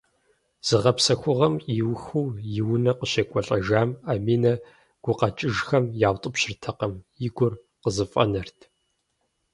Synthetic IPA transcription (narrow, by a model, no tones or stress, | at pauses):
z̥ɨʁɐpsɐxʷʊʁɐmiwxuːjɪwʊnɐqəɕekʷʼɔɬʼɐʒaːmaːmiːnɐ | ɡ̥ʷʊqɐt͡ʃʼɪʒxɐmjaːwtʼɨpɕɪrtʰɐqɐmjɪɡʷʊr | qəzɨfʼɐ̰nɐrtʰ